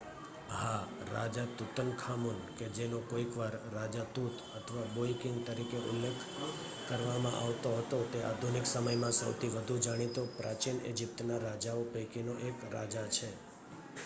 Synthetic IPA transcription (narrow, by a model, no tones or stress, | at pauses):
ɦaɾa̰d͡ʒat̪ut̪əŋɡkʰamunked͡ʒenokoikʋaɾːad͡ʒat̪ut̪ʰət̪ʰəʋaboikɪŋɡt̪əɾikeʔʊ̰lːekʰ | kəɾʋamã̰ʔa̰ʋt̪oɦət̪ot̪eʔa̰d̪ʱuniksəməjmãsə̰wt̪ʰiʋəd̪ʱud͡ʒaɽ̃it̪opɾʔat͡ʃinḛd͡ʒip̚t̪naɾad͡ʒaopejkinoʔekɾa̰d͡ʒat͡ʃʰe